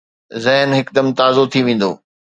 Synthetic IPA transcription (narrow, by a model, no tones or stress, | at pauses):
zɐɦnɦɪkd̪ɐmt̪aːzot̪ʰiʋẽːn̆d̪o̰ː